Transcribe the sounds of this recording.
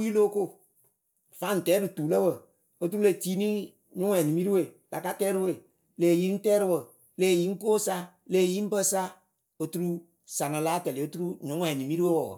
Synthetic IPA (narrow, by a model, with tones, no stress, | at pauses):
ji˦loː˦ko˦˨ | fa˨˦n̩˨tɛː˨˦ɾɨ˨tuː˨lə˦wə˨ | o˦tu˦ɾu˦le˨tiː˦ni˦ | ɲʊ˦ŋ˦ɛ˨ni˨mi˦ɾi˦we˨ | la˨ka˦tɛː˦ɾɨ˦˧we˨ | leː˨ji˦n̩˦tɛː˦ɾɨ˧wə˨ | leː˨ji˨˦ŋ̩˦koː˦sa˧˦ | le˨ji˦m̩˦bə˦sa˦ | o˧˦tu˧ɾu˦ | sa˨na˧la˨˦tɛ˨le˨o˦tu˦ɾu˦ɲʊ̃˨˦ŋ˦ɛ˨ni˨mi˦ɾi˦wə˦wə̰˨